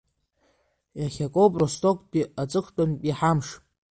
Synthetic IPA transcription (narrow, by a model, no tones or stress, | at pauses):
jaχʲakʼowpʼrostʰʼokʷʰʼpʼiat͡sʼɨχʷtʼonpʼiħamʂ